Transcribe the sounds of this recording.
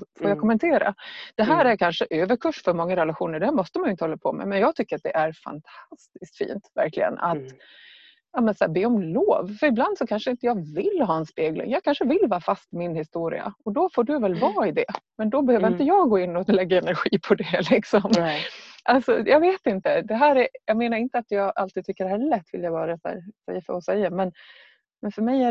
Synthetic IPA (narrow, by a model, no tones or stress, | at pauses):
foːjaːkʰɔmɛnt̪ʰeːɾa̰d̪̥ɛɦæːɾæɾkʰanʂəʔøːvəɾkʰɵʂfœɾmɔŋːaɾɛlaɧuːnəɾɖɛhæːmɔst̪əmanjʏɪnt̪əhɔlːapʰɔ̰mɛ̰mɛnjɑːɡ̚t̪ʰʏkːəɾat̪̚d̪ɛʔæɾfa̰nt̪ʰast̪ɪskt̪fḭːnt̪væ̰ɾklɪ̰ɡə̰na̰t̪ | jɑːmɛnsæːbeːɔmloːvfœɾɪbland̪sɔkʰanʂəɪnt̪əjɑːɡvɪlːɦɑːɛnspeːɡlɪ̰ŋjɑːɡ̚kʰanʂəvɪlːvɑːfast̪mɪnhɪst̪uːɾɪ̰a̰ɔd̪ɔfoːɖɵvɛlvɑːɪd̪ɛmɛnd̪ɔbɛhøːvəɾɪnt̪əjɑːɡɡoːɪnːɔlɛɡːaɛnæɾɧiːpʰɔd̪ɛlɪksɔm | ʔalsɔjɑːɡveːt̪ɪnt̪əd̪ɛɦæːɾæɾjɑːɡmeːnaɾɪnt̪əat̪jɑːɡʔalt̪id̪̚t̪ʏkːəd̪ɛhæːɭɛt̪ːvɪ̰ljabɑːɾasæ̰ːɾsɛ̰jːafœ̰ɾɔsɛjːamɛn | mɛnfœɾmɛjæ